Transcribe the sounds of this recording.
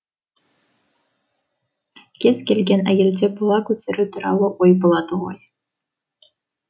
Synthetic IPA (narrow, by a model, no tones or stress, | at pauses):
kʲesʲkʲelʲɡʲenæ̰jɘ̆lʲdʲebɤlˠɑkut͡sɘ̆ɾʲɘt̪ɤ̆ɾɑ̰lˠoʔujbɤ̆lˠɑt̪ɤ̆ʁɑ̰j